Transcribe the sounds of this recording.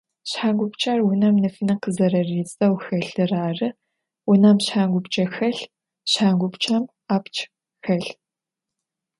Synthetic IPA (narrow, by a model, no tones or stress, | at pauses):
ɕħaːŋɡʷʊpt͡ʃʰʼaːrwʊnɐmnɨfinɨqəzɐɾɐreːt͡sʼɐwxɐɮɨraːrɨ | wʊnɐmɕħaːŋɡʷʊpt͡ʃʼɐxɐɬ | ɕħaːŋɡʷʊpt͡ʃʰʼɐm | aːpt͡ʃʰʼ | xɐɬ